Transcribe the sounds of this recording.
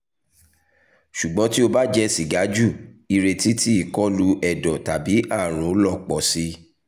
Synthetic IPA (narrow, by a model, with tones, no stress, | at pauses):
ʃu˨ɡ͡bɔ̃˨˦ti˦o˧ba˦d͡ʒɛ˦˧si˨ɡa˨˦d͡ʒu˦˨i˧ɾe˧ti˦ti˦i˦˨kɔ˦lu˧ʔɛ˨dɔ˨ta˨bi˨˦ʔa˦˨ɾ̃ũ˨˦lɔ˦˨k͡pɔ˨si˧